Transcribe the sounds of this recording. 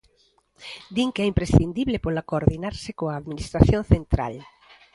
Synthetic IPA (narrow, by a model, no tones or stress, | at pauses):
d̪iŋkɛimpɾesθind̪iβlepolakoɾðinaɾsekoaːðminist̪ɾaθjõnθent̪ɾa̰l